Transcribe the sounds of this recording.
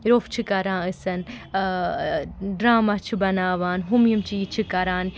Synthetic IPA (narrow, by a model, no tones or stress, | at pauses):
ɾoːft͡ʃʰikɐɾãːɨsɐn | ɖɾaːmɐt͡ʃʰibɐnaːʋaːnɦumjimt͡ʃiit͡ʃʰikɐɾaːn